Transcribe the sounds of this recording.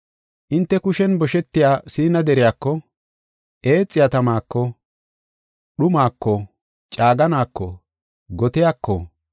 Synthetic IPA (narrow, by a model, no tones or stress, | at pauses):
ʔɪnt̪ːɛkʊʃɛnbɔʃɛt̪ːɪjaːsiːnɐd̪ɛɾɪjaːkːɔ | ʔe̞ːt͡sʼːɪjat̪ɐmaːkːɔ | ɗʊmaːkːɔ | t͡ʃʼaːɡɐnaːkːɔ̰ | ɡɔt̪ɪjakːɔ̰